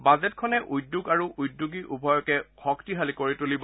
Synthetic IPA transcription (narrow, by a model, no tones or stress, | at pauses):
bazɛtkʰɔnɛʔujdːuɡaɹuʔujdːuɡiʔubʱɔjɔkɛxɔktiɦalikoɹitulib